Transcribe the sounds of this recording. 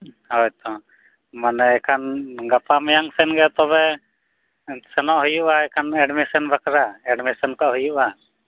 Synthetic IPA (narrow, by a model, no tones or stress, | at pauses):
hɔjt̪ɔ | manɛɛkʰanɡapamɛjaŋsɛnɡɛt̪ɔβɛ | sɛnɔʔɦujuʔaɛkʰanɛɖmisɔnbʱakɾaɛɖmisɔnkaʔɦujuʔa